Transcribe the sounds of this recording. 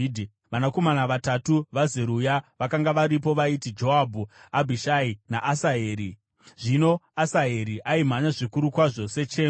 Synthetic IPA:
i | ʋanako̞manaʋatatuʋazeɾujaʋakaŋɡaʋaɾipo̞ʋaitid͡ʒo̞abʱuabʱiʃaina̰ʔasaeːɾi | ʐ̥ino̞asaɦe̞ɾiʔaim̤aɲaʐikuɾukwaʐo̞se̞t͡ʃeː

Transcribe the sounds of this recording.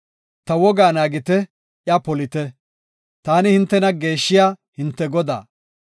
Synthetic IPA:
t̪ɐwɔɡaːnaːɡɪt̪ɛ | ʔjapɔlɪt̪ɛ | t̪aːnɪhɪnt̪ːɛnɐɡe̞ːʃːɪjaːhɪnt̪ːɛɡɔd̪a̰ː

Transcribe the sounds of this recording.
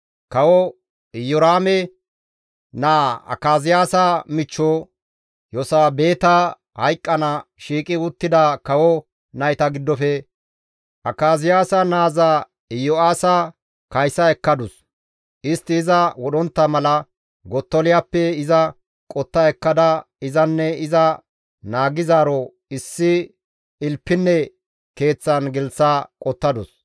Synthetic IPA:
kɐwɔ | ɪjɔɾaːmɛ | naːɐ̰kːaːzɪjaːsɐmɪt͡ʃːɔ | jɔsaːbe̞ːt̪ɐ | hɐjkʼːɐnɐʃiːkʼɪʊt̪ːɪd̪ɐkɐwɔ | nɐjt̪ɐɡɪd̪ːɔfɛ | ʔɐkːaːzɪjaːsɐnaːza | ɪjɔaːsɐ | kɐjsɐɛkːɐd̪ʊs | ʔɪst̪ːɪːzɐwɔɗɔnt̪ːɐmɐlɐ | ɡɔt̪ːɔlɪjapːɛɪzɐ | kʼɔt̪ːɐɛkːɐd̪ɐ | ɪzɐnːɛɪzɐ | naːɡɪzaːɾɔ | ɪsːɪ | ɪlpːɪnːɛ | ke̞ːt͡sːɐnɡɛlt͡sːakʼɔt̪ːɐd̪ʊs

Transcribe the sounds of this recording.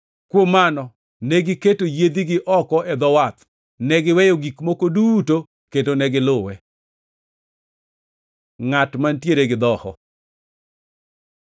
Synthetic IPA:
kwomːanɔ | nɛɡɪketojed̪iɡɪʔɔkɔʔɛd̪ɔwat̪ | nɛɡɪwɛjoɡikmokoduto | ketonɛɡɪlʊwɛ | ŋatmantjeɾeɡɪd̪ɔhɔ̰

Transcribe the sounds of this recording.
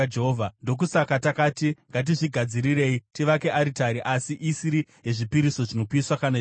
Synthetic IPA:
eɦovʱando̞k̬usakatakaːtiŋɡat̬iʐiɡʱad͡ziɾire̞itiʋake̞ʔaɾitaɾiʔasiʔisiɾiɦe̞ʐipiɾiso̞ʐino̞kiswakana

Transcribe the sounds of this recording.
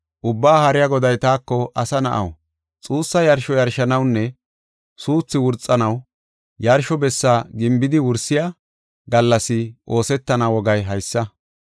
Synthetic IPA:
ʔʊbːaːhɐɾɪjaɡɔd̪ɐjt̪aːkːɔʔɐsɐnɐ̰ʔɐ̰w | t͡sʼuːsːɐjɐɾʃɔjɐɾʃɐnɐwnːɛ | suːt͡sːɪwʊɾt͡sʼːɐnɐw | jɐɾʃɔbɛsːaɡɪmbɪd̪ɪwʊɾsɪja | ɡɐlːɐsɪʔo̞ːsɛt̪ːɐnawɔɡɐjɦɐjsːɐ

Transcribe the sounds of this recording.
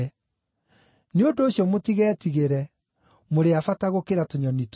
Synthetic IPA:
neondoːɕjɔmotiɣɛːtiɣeɾɛ | moɾeafataɣokeɾatoɲɔnit

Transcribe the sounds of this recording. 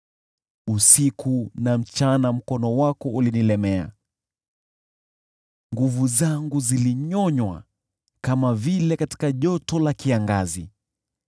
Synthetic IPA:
usikunam̩t͡ʃanam̩kɔnɔwakɔʔulinilɛmɛa̰ | ŋɡuvuzaŋɡuziliɲɔɲwa̰ | kamavilɛkati̥kaʄɔtɔlakiaŋɡazḭ

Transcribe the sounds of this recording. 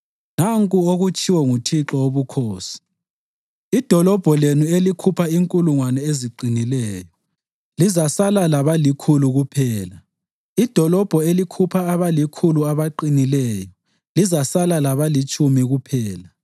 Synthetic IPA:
naŋkʼuoɣut͡ʃʰʼiwɔŋutʰiǁɔoβukʰoːsi̥ | id̥ʱɔlɔb̥ʱɔlenuelikʰupʰaiŋkʼuluŋwanɛeziǃʱinilɛːjɔ | lizasalalaβalikʰuluɣupʰɛːla | id̥ʱɔlɔb̥ʱɔelikʰupʰaːβalikʰuluaβaǃinilɛːjɔ | lizasalalaβalit͡ʃʼumiɣupʰɛːla

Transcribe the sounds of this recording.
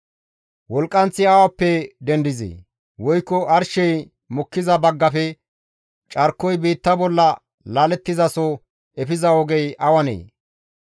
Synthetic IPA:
wɔlkʼːɐnt͡sːɪawɐpːɛd̪ɛnd̪ɪzḛː | wɔjkːɔʔɐɾʃɛj | mɔkːɪzɐbɐɡːɐfɛ | t͡ʃʼɐɾkːɔjbiːt̪ːɐbɔlːɐ | laːlɛt̪ːɪzɐsɔ | ɛfɪzɐɔɡɛjʔɐwɐnḛː

